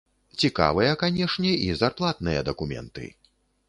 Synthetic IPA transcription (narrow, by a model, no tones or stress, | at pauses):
t͡sʲika̰vɨjɐkanʲɛʂnʲɛʔizarplˠat̪nɨjɐd̪ɐkumʲɛ̰nt̪ɨ̰